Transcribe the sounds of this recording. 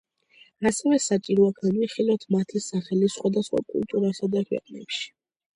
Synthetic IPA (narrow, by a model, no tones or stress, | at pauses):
asɛvɛsat͡ʃʼiɾɔaɡʰamiχilˠat̪ʰmat̪ʰisaχɛlisχwad̪asχwa̰kʼṵlˠt̪ʼuɾasad̪akʰwɛ̰qʼnɛ̰pʃi̥